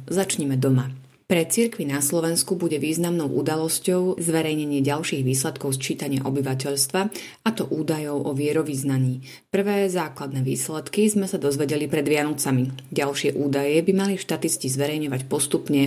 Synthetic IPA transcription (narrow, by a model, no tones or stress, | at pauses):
zat͡ʃɲɛmɛd̪ɔma | pɾɛt͡siɾkʋinaslɔʋɛnskubuɟɛʋiːznamnɔʊʔud̪alɔscɔʊzʋɛɾɛjɲɛɲɪɛɟalʃiːɣʋiːslɛt̪kɔʊst͡ʃiːt̪aɲɪa̰ʔɔbiʋacɛʎst̪ʋa | at̪ɔʔuːd̪ajɔʊʔɔʋɪɛɾɔʋiznaɲiː | pr̩ʋɛːzaːklad̪nɛːʋḭːslɛt̪kizmɛsad̪ɔzʋɛɟɛlipɾɛd̪ʋɪanɔt͡samiɟalʃɪɛʔuːd̪ajɛbimaliʃt̪at̪iscizʋɛɾɛjɲɔʋacpɔst̪upɲɛ